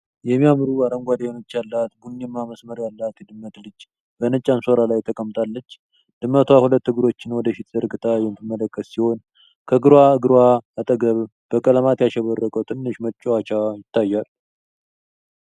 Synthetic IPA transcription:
jɛmːijamɾuaɾəŋɡʷad̪aenot͡ʃːjalːat̪bunːɛmːaməsməɾjalːat̪jɛd̪ɨmːət̪lɨd͡ʒ | bənət͡ʃʼanso̞ɾalajt̪ʰəkʼəmt̪ʼalːət͡ʃː | d̪̥ɨmːət̪ʰwahulət̪ːɨɡɨɾo̞t͡ʃːɪnwɔd̪əfit̪z̥əɾɡɨt̪ʼajɛmt̪ɨmːələkʰʼːəssiho̞n | kʰəɡɨɾwaɨɡɨɾwaːt̪ʼəɡəβ | b̥əkʼələmat̪jaʃɛβərːəkʼəwt̪ʰʼɨnːɨʃmət͡ʃʼːwat͡ʃajɪt̪ʰːajːal

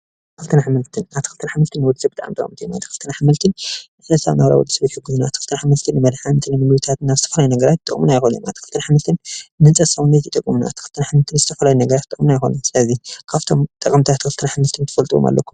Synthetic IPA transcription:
t̪kɨlt̪ʰɨnħamɨlt̪ʰɨnaβt̪ʰi̥kʰɨlt̪ɨnħamːɨlt̪ʰɨnwɔd̪zɨbɨt̪ʼa̰ʕmt̪ɐkʼɐmt̪ʰijma̰t̪ʰi̥kʰɨlt̪ʰɨnaħamɨlt̪ʰɨn | ħɐsa̰βnabɾa̰wɔ̰d̪ːɨsɐβjiħɨɡɨznaa̰t̪ʰikɨlt̪ʰːɨnħamːɨlt̪ʰɨnːɨmɐd̪ħant̪ʰɨnmɨmlut̪ʰat̪nazɨt̪ʰɐfɐlajunɐɡɐɾat̪̚t̪ʼːɨkʼmunajxonṵna̰t̪ʰi̥kʰɨlt̪ʰɨnħamɨlt̪ʰɨnːɨnt͡sʼɐsɐwnɐt̪it̪ʼɐkʼːumuna̰a̰̥t̪i̥xɨlt̪ɨnaħamɨlt̪ʰɨnzɨt̪ʰɐfɐlajunɐɡɐɾat̪t̪ːʼɨkʼmunajxo̰nɐsɨlɐzikʰaβt̪ʰomt̪ʼɐkʼɐmt̪ʰiat̪i̥kɨlt̪ɨnaħamɨlt̪ʰɨnt̪ʰɨ̥fɐlt̪ʼɨwo̰mʔa̰lːɐ̰kʰːu

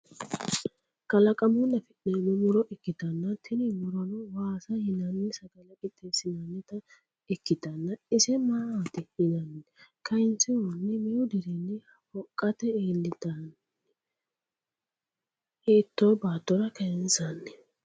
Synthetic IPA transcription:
kɐlɐkʼɐmʊnːɐfɛɗenɔmʊɾɔʔɪkːɪt̪ɐnːɐt̪ʰɪnɪmʊɾɔnɔwaːsɐhɪnɐnːɪsɐɡɐlɐkʼɪt̪ʼːesɪnɐnːɛt̪ɐ | ɪkːɪt̪ɐnːɐɪsɛmaːat̪ɪhɪnɐnːɛkɐɪnt͡sːɪwɔnːɛmɛjʊd̪ɪɾɛnːɪ | ɔkʼːɐt̪ɛeːlːɪt̪ɐn | eːt̪ːoːbaːt̪ːɔɾɐkɛjɪnsɐnːɛ

